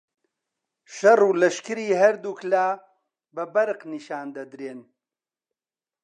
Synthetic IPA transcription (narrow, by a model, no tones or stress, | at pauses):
ʃɐruːlɐʃkɨɾiːɦɐɾd̪uklaː | bɐbɐɾqniʃaːnd̪ɐd̪ɾeːn